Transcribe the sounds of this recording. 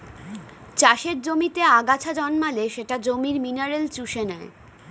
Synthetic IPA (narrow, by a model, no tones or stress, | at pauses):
t͡ɕaʃeɾd͡ʑomit̪eaɡat͡ɕʰad͡ʑɔnmaleʃeʈad͡ʑomiɾminaɾelt͡ɕuʃenɛe